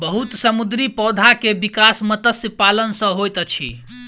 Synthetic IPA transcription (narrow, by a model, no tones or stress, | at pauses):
bəɦut̪səmud̪ɾipɔd̪ʱakebikasmət̪əsəpalənsə̃ɦojt̪t͡ʃʰḭ